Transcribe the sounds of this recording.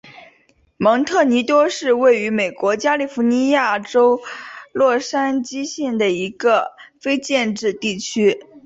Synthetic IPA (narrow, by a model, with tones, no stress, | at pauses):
mɤ˧˥ŋt̪ʰɤ˥˩ni˧˥t̪wɔ˥ʂɻ̩˥˧we˥˩ɪy˧˥me˨˩ɪkwɔ˧˥t͡ɕja˥li˥˩fu˧˥ni˧˥ja˥˩ʈ͡ʂo˥ʊlwɔ˥˩ʂa˥nt͡ɕi˥ɕjɛ˥˩nd̪ə˩i˧˥ɡə˧fe˥ɪt͡ɕjɛ˥˧nʈ͡ʂɻ̩˥˧t̪i˥˩t͡ɕʰy˥